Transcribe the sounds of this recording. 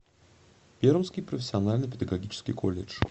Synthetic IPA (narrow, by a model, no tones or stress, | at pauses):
pʲeɾəmskʲɪjpɾəfʲɪ̥sʲɪɐnalʲnɨjpʲɪd̪əɡɐɡʲit͡ɕɪ̥skʲɪ̰jkolʲːɪ̰t͡ʂ